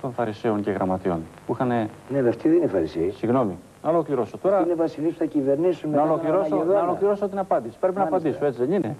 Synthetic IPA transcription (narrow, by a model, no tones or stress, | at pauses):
t̪o̞nfɐɾiseo̞ɲceɣɾɐmɐt̪io̞̰npuixɐne | nemeft̪iðeinefɐɾisesiɣno̞mi | nɐolo̞kliɾo̞sot̪o̞ɾɐinevɐsilispuθɐcive̞ɾnisunmnɐolokliɾosoðonɐolo̞kliɾo̞sot̪inɐpɐnd̪isi̥pɾe̞pinɐːpɐnd̪isoe̞t͡siðe̞nine̞